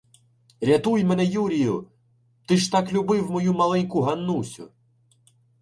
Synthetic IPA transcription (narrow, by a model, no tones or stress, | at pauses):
ɾʲɐt̪ujmɛnɛjuɾʲijʊ | t̪ɪʃt̪ɑklʲʊbɪwmɔjumɐlˠɛnʲkʊɦɐnːusʲʊ̰